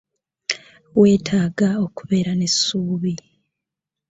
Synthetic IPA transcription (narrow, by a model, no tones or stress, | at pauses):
we̞ːtʰaːɡao̞kuβe̞ːɾane̞sːuːβi